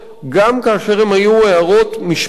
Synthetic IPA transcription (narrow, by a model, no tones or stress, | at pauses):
ɡamkaːʃe̞ʁemhajueaʁo̞t̪miʃ